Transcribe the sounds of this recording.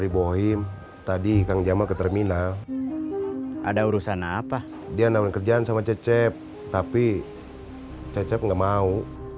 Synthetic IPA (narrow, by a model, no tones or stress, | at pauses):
ɾiboɦim | t̪adikaŋd͡ʒamakət̪ərminal | ʔa̰dauɾusanaːpa | dianauɾnkərd͡ʒaansamat͡ʃɛt͡ʃɛp̚ | t̪api | t͡ʃɛt͡ʃɛp̚ŋɡaʔmau